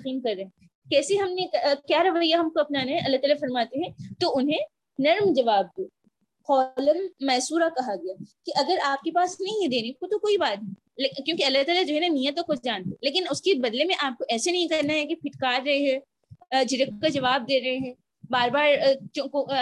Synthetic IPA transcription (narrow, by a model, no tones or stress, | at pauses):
ɐqiːmkɐɾːɐɦɛ̃ | kɛːseɦɐmnekjaːɾɐʋajaɦɐmkoɐpnanɦɛ̃ʔɐlːat̪ɐːləfɐɾmaːt̪eɦɛ̃t̪oʊnɦẽ | nɐɾmd͡ʒɐʋaːb̚ko | qɔːləmːɛːsuːɾakɐɦaɡɐjakeʔɐɡəɾaːp̚kepaːsnɐɦĩd̪eːnekot̪okoːibaːt̪nɐɦĩ | kjõːkeɐlːat̪aːlad͡ʒoːɦɛnamijãt̪̬oxʊt͡ʃʰd͡ʒaːnt̪eleːk̬ɪnʊskebɐd̪lemẽʔaːp̚koʔɛːsenɐɦĩkɐɾnaɦɛkepʰɪʈkaːɾɾɐɦeɦɛ̃ | d͡ʒɪɾək̚kad͡ʒɐʋaːb̚d̪eːɾɐɦeɦɛ̃ː | baːɾbaːɾt͡ʃõːko